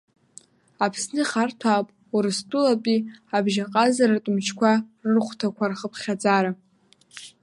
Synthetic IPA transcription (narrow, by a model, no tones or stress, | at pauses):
apʰsnɨχartʰapʼ | uɾɨstʼulapʼiabʒaqʼazaɾatʼʊmt͡ʃʰkʷʰarɨrχʷtʰakʷʰarχəpʰχʲad͡zaɾa